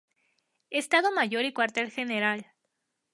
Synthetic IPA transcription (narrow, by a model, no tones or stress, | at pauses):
est̪aðo̞maʝo̞ɾikwaɾt̪e̞lxeneɾal